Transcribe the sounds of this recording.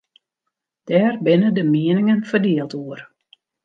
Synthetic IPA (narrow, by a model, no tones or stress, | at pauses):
d̥ɛːrbɪnədəmiənɪŋənfərdeːəlˠtuər